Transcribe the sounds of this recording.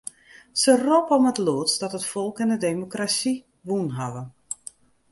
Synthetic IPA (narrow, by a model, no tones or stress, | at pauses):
səropɔmətloətsd̥ɔtətfɔlˠkɪndədemokrasi | ʋunɦaʋə